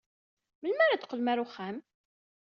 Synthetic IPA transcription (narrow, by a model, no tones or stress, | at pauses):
məlmaɾad̪qːəlmæɾuχæm